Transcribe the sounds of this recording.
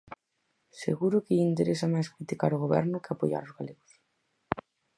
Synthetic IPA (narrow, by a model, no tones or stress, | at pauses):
sḛɣuɾʊkɪint̪eɾesamajskɾit̪ikaɾoɣoβɛ̰ɾnʊkeapoja̰ɾʊzɣaleɣos